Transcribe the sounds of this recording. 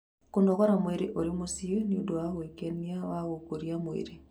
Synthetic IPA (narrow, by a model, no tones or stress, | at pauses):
konɔkɔɾamweɾeʔoɾimosioniodowahwekeniawaɣokoɾiamwḛɾe